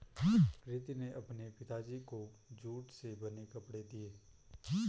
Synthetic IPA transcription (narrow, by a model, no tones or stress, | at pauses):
kɾɪt̪ineʔɐpnepɪt̪ad͡ʒikod͡ʒuːʈsebɐnekɐpɽed̪ieː